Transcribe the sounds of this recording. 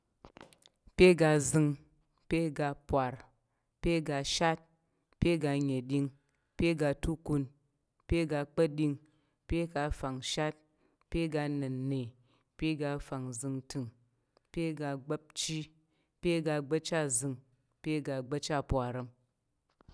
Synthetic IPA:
pʲe˦ɡa˧zɨ˧ŋ | pʲe˦ɡa˧pwa˨ɾ | pʲe˦ɡa˧ʃa˦t̚ | pʲe˦ɡa˧ɲe˨ɗʲi˦ŋ | pʲe˦ɡa˧tu˦ku˧n | pʲe˦ɡa˧k͡pɐ˦ɗi˧ŋ | pʲe˦ka˧fa˨ŋʃa˦t̚ | pʲe˦ɡa˧nɨ˨nːe˨ | pʲe˦ɡa˧fa˨ŋzɨ˧ŋtɨ˨ŋ | pʲe˦ɡa˧ɡ͡bɐ˦p̚t͡ʃi˦ | pʲe˦ɡa˧ɡ͡bɐ˦t͡ʃa˦zɨ˧ŋ | pʲe˦ɡa˧ɡ͡bɐ˦t͡ʃa˦pʷa˨ɾɐ˧m

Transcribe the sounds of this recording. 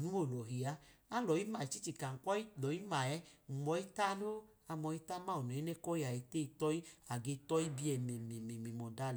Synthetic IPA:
nu˦o˦˨lɔ˨ɦi˨a˧a˦lɔ˨ji˦ma˨i˨t͡ʃi˦t͡ʃi˨ka˨ŋ̩˨kɔ˦i˦lɔ˨i˦ma˨ɛ˧˦˨mɔ˧i˦ta˦no˦ | a˧mɔ˧i˦ta˦ma˦˨u˨nɛ˨˦i˦nɛ˦kɔ˦i˦a˨ɛ˧te˦i˧tɔ˧˦i˦a˨ɡe˧tɔ˦i˦bi˧ɛ˧mɛ˨mɛ˨mɛ˨me˨mɔ˨da˦l

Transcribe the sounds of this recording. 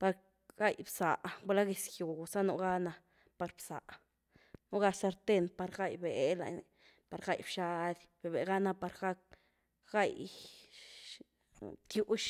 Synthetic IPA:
pa˧ɾ | ɡ̥a˦jbsa˨ʔɡa˧la˦ɡe˨sju˨sa˦nu˧ɡa˦na˧ | pa˧ɾbsa̰˨ʔ | nu˦ɡa˧sa˧ɾt̪e˦npa˧ɾɡa˦jbe˨la̰˧˨jni˨ | pa˨ɾɡa˦˨jbʃa˧d̪ʲb̥e˨be˨ɡa˦na˧pa˧ɾɡa˦k̚ | ɡ̥a˦j | t̪ju˦ʔʃ

